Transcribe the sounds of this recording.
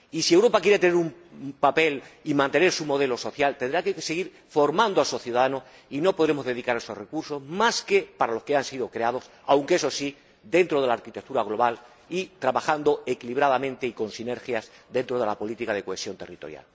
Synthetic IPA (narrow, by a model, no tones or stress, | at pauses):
isiewɾo̞pakje̞ɾe̞t̪̬ene̞ɾumpape̞limãnt̪e̞ne̞ɾsumo̞ð̞e̞lo̞so̞θjalt̪e̞nd̪ɾakeseɣiɾ | fo̞ɾmãnd̪oasoθjuðaðanos | ino̞po̞ð̞ɾe̞mo̞zðe̞ð̞ikaɾae̞so̞rre̞kuɾsozmaske̞paɾalo̞skeansiðo̞kɾe̞að̞o̞s | awŋkeeso̞si | d̪e̞nt̪ɾo̞ð̞e̞laːɾkit̪e̞k̚t̪uɾaɣ̞lo̞βal | it̪ɾaβaxand̪o̞ekiliβ̞ɾaðamẽ̞nt̪e̞iko̞nsine̞ɾxjasd̪ẽ̞nt̪ɾo̞ð̞e̞lapo̞lit̪ikað̞e̞ko̞e̞sjo̞nt̪e̞rit̪o̞ɾja̰l